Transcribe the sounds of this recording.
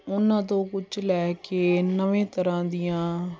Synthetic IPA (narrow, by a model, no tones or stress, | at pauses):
ʊnːãːt̪õːkʊt͡ʃlɛːkeːnəʋẽːt̪əɾãːd̪ɪjãː